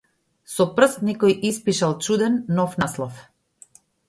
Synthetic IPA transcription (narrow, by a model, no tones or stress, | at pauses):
sɔpr̩st̪nɛkɔjʔispiʃalˠt͡ʃud̪ɛnːɔfnaslˠɔf